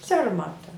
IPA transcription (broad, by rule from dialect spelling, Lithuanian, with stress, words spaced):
ˈsʲɛrmɐtɐ